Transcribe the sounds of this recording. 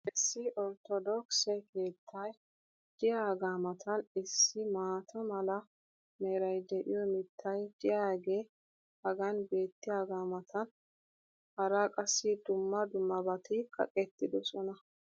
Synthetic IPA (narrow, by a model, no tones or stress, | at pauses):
ʔɪsːɪʔɔɾt̪ɔd̪ɔksɛjkʰe̞ːt̪ʰːɐj | d̪̥ɪjaːɡaːmɐt̪ʰɐnɪsːɪmaːt̪ʰɐmɐlɐ | meːɾɐjd̪ɛʔɪ̰jɔmɪt̪ʰːɐjd̪̥ɪjaːɡe̞ː | hɐɡɐnbe̞ːt̪ːɪjaːɡaːmɐt̪ʰɐn | hɐɾakʼɐsːɪd̪ʊmːɐd̪ʊmːɐbɐt̪ɪkʼɐ̰kʼɛt̪ːɪd̪ɔsɔnɐ